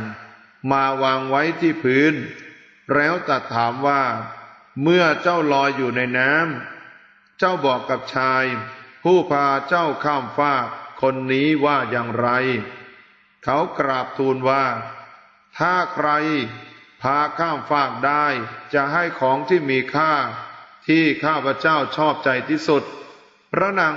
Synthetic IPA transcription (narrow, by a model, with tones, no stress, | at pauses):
n | maː˧waː˧ŋwa˦˥jt̪ʰiː˥˩pʰɯː˦˥n | ɾɛː˦˥wt̪a˨˩t̪ʰːaː˩˦mwaː˥˩ | mɯ˥˩ɐt͡ɕa˥˩wlɔː˧jːuː˨˩na˧jnaː˦˥m | t͡ɕa˥˩wbɔː˨˩kːa˨˩p̚t͡ɕʰaː˧jpʰuː˥˩pʰaː˧t͡ɕa˥˩wkʰaː˥˩mfaː˥˩kʰːo˧nːiː˦˥waː˥˩jaː˨˧ŋɾa˧j | kʰa˦˥wkɾaː˨˩p̚t̪ʰuː˧nwaː˥˩ | t̪ʰaː˥˩kʰɾa˧jpʰaː˧kʰaː˥˩mfaː˥˩k̚daː˥˩jt͡ɕa˨˩ʔɦa˥˩jkʰɔː˩˦ŋt̪ʰiː˥˩miː˧kʰaː˥˩t̪ʰiː˥˩kʰaː˥˩pʰɾa˧˥t͡ɕaː˥˩wt͡ɕʰɔː˥˩p̚t͡ɕa˧jt̪ʰiː˥˩su˨˩t̪̚ | pʰɾa˦˥naː˩˦